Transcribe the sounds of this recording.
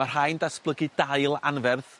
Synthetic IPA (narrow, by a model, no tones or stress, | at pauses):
ar̥ɦajndasb̥lˠəɡɨdajlˠa̰nvɛrð